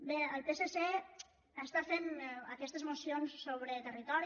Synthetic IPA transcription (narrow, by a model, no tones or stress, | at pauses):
beəlˠpesese | ast̪afenəkɛst̪əzmusionsːoβ̞ɾət̪ərit̪ɔɾ